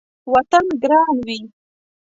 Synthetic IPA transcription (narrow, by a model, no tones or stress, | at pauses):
wat̪anɡɾɑnwi